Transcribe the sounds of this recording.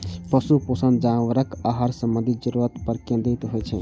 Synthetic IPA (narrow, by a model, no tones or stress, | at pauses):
pəsuposənd͡ʒaʋəɾəkaɦaɾsəmbə̃nd̪ʱid͡ʒəɾuɾət̪pəɾkẽnd̪it̪ɦojt͡ʃʰɛ̰